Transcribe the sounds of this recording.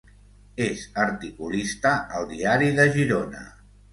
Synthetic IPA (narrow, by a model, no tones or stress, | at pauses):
ezəɾt̪ikulist̪əəlˠd̪iaɾiðəʒiɾonə̰